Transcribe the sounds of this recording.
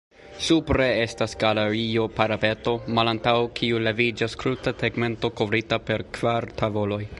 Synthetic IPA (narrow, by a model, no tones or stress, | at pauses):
supɾe̞estasɡ̥aleɾio̞paɾape̞to̞malantawkʰiule̞vid͡ʒaskɾutateɡme̞nto̞ko̞vɾitape̞ɾkv̥aɾtʰavo̞lo̞j